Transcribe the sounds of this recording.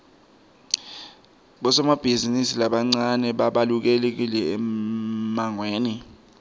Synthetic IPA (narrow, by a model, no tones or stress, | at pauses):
ɓɔsɔmab̥ʱizinisilaɓaŋ͡ǀanɛɓaɓaluk̬ɛlek̬ilɛɛ | maŋweːni